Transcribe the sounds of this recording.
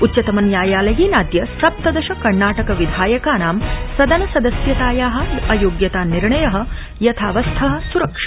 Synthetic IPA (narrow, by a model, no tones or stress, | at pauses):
utːt͡ʃɐt̪ɐmɐnjaːjaːlɐɦinaːd̪jɐsɐp̚t̪ɐd̪ɐʃɐkɐɾnaːʈɐkɐʋid̪ʱaːjɐkaːnaːmsɐd̪ɐnɐsɐd̪ɐsjɐt̪aːjaːɦɐɡɐjoːɡjɐt̪aːnːiɾɳɐjɐɦɐ̆ | jɐt̪ʰaːʋɐst̪ʰɐɦɐ̆suɾɐkʂɐ̥